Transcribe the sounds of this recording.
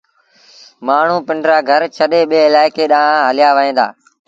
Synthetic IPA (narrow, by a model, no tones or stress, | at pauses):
maːɳ̤ũːpɪɳɖɾaːɡʱəɾt͡ʃʰəɗeːɓeːɪlaːɪkeːɗãːɦəlɪjaːʋəɦẽːd̪a̰ː